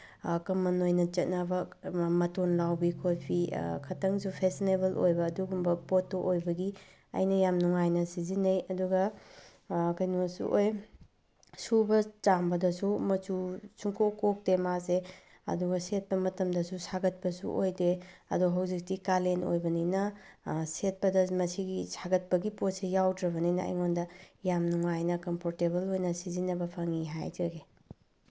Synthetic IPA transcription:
kɐmɐnojnɐt͡ʃɐt̚nɐbɐmɐtonlawbikʰopʰḭkʰɐtɐŋsupʰesinebɐlojbɐːduɡumbɐpotːoʔojbɐɡi | ɐ̰jnɐjamnuŋajnɐsizinɐjɐduɡɐ | kɐjnusṵʔoj | subɐt͡ʃambɐdɐsumɐt͡ʃusuŋkʰokok̚temaze | ɐ̰duɡɐset̚pɐmɐtɐmdɐsusaɡɐt̚pɐsṵʔojdeɐ̰duɐɦɐwzik̚tikaleno̰jbɐninɐset̚pɐdɐmɐsiɡisʰaɡɐt̚pɐɡipot̚sejawdɾɐβɐnijnɐɐ̰jŋondɐjamnuŋajnɐkɐmpʰoɾtebɐlojnɐsizinɐbɐpʰɐŋiɦajd͡ʒɐɡe

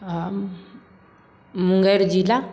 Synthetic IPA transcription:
muŋɡajɾd͡ʒila

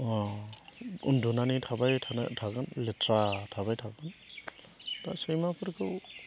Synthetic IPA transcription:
ɔ | ṵndunanitʰabajtʰantʰakanletʰɾatʰabajtʰakɯn | tasejmapʰɯɾkʰɯw

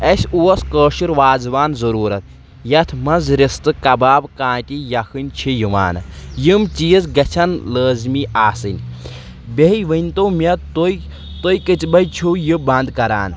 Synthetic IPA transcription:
ɐsʲuɐskəːʃiɾʋaːzʋaːnzɐɾuːɾɐt̪̚ | jɐt̪ʰmɐnzɾist̪ɨkɐbaːbkãːtʲijɐkʰɨnʲt͡ʃʰijuʋa̰ːnɨ̰jɨmt͡ʃijzɡɐt͡ʃʰɐnləːzmiːʔaːsɨnʲ | bʲeɦiʋɨnʲt̪oːmʲɐt̪oj | t̪ojkɨt͡ʃbɐjt͡ʃʰujɨbɐnd̪kɐɾa̰ːn

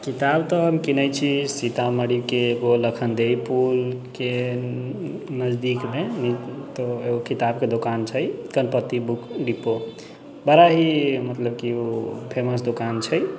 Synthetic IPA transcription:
kit̪abt̪ɔɦəmkinəjt͡ʃʰisit̪aməɽikeːɡoləkʰənd̪ejpulke | nəzd̪ikmenit̪oeokit̪ab̚ked̪okant͡ʃʰəjkənpət̪ːibukʰɖipːo | bəɾaɦimət̪ləb̚kiupʰeməsd̪okant͡ʃʰəj

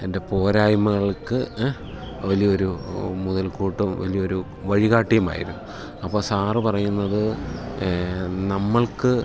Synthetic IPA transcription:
ende̞po̞ːɾaːjmɐɣɐɭkɨ | ʋɐlijɐo̞ɾumuðɐlkuːʈːumʋɐ̰lijɐo̞ɾu | ʋɐɻiɣaːʈːijɐma̰ːjḭɾunːu | ɐpːoːsaːrɨpɐrɐjunːɐðɨ | nɐmːɐɭkɨ

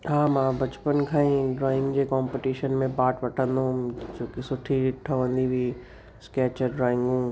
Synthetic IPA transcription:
ɦaːmãbɐt͡ɕpənkʰãːĩɾaːɪmd͡ʑeːkaːmpɪʈiːʃənmẽpaːʈʋɐʈʰə̃nd̪ot͡ɕoːkisʊʈʰiɾiʈʰːɐʋə̃nd̪ibʱi | skɛːt͡ɕəɖɾãːɪ̃ŋɡũː

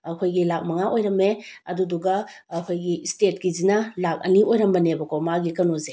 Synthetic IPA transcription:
akʰojɡilak̚mɐŋaʔojɾɐmeɐduduɡɐ | kʰojɡistet̚ɡizinalak̚ɐ̰niʔojɾɐmbɐnebɐkomaɡikɐnoze

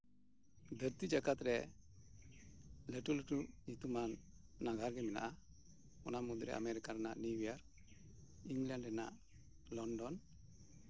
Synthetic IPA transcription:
d̪ʱəɾt̪id͡ʒaɡat̪ɾɛ | leʈuleʈuɲit̪umanːaɡʱaɾɡɛmɛna̰ʔa | ɔnamud̪ɾɛʔa̰meɾikaɾɛna̰ʔniwijaɾ | iŋɡlaɳɖɛna̰ʔ | lɔɳɖɔn

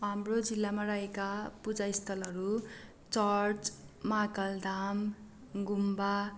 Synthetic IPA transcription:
ɦamrod͡zilːamaraɦekapud͡zaist̪ʰʌlɦʌɾu | t͡sʌrt͡smakʌld̪am | ɡumba

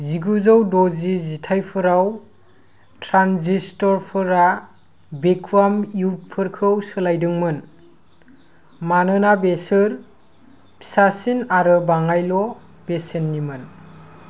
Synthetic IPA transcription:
ziɡuzawdɔzizitʰajpʰɯɾaw | tʰɾanzistɔɾpʰɯɾa | bekʰuamjut̚pʰɯɾkʰɯwsɯlajdɯŋmɯn | manɯnabesɯɾ | pʰi̥sasinaɾɯbaŋajlɔ | besenːimɯn

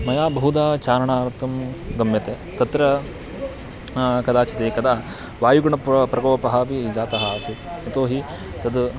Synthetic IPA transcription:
mɐjaːbɐɦud̪aːt͡ʃaːɾɐɳaːɾt̪ʰɐmɡɐmjɐt̪eːt̪ɐt̪ɾɐ | kɐd̪aːt͡ʃɐt̪eːkɐd̪aː | ʋaːjuɡɐɳɐppɾɐɡoːpɐɦaːpid͡ʒaːt̪ɐɦɐsut̪ɐt̪oːɦi | t̪ɐd̪

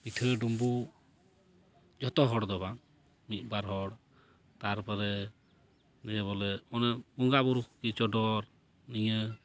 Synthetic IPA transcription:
pitʰəɖumbu | d͡ʒɔt̪ɔɦɔɽd̪ɔbaŋ | mit̪̚ˀbaɾɦɔɽ | t̪aɾpɔɾɛ | nɛbɔlɛɔnɛuŋɡabuɾukkit͡ʃɔɖɔɾ | niɲə

